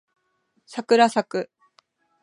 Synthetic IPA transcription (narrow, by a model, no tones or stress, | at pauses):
sakɯ̟ɾasakɯ̟